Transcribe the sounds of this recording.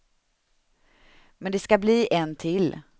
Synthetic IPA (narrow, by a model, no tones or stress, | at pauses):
mɛnd̪ɛskabliːʔɛnt̪ʰɪl